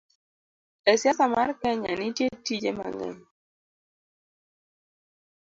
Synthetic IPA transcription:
ɛsjasamarkɛɲanɪtjetid͡ʒema̰ŋɛ̰ɲ

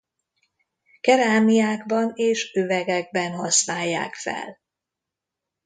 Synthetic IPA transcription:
kɛɾaːmijaːɡbɒneːʃøvɛɡɛɡ̚bɛnɦɒsnaːjːa̰ːkfɛ̰l

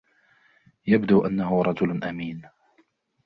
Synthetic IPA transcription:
jabd̪uːʔanːaɦʊɾˤɑd͡ʒʊlʔamiːn

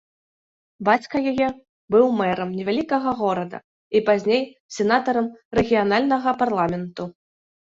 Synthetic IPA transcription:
bat͡sʲkɐjajɛ | bɨwmɛɾɐmnʲɛvʲalʲikɐɣɐɣɔɾɐd̪ɐ̰ | ipazʲnʲej | sʲɛnat̪ɐɾɐmrɛɣʲijan̪alʲnɐɣɐparlˠamʲɛnt̪u

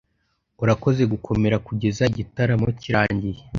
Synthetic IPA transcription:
uɾako̞ze̞ɡukʰo̞me̞ɾakuɟe̞zaiɟitaɾamociɾaːɲɟije

